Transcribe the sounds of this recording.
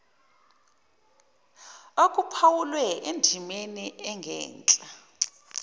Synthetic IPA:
okʼupʰawulwɛʔendʱimeniɛŋɡʱɛ̰ːnt͡ɬʼa

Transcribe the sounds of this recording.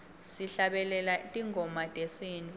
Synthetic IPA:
siɬaɓɛlɛlatʼiŋʱɔmatʼesintʼu

